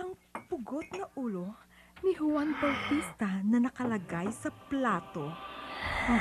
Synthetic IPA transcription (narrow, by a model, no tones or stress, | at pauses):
ʔɐŋpʊɡot̪̚nɐʔuːlo̞nihʊwanpɐlfist̪ɐnɐnɐkɐlɐɡajsɐplaːt̪o̞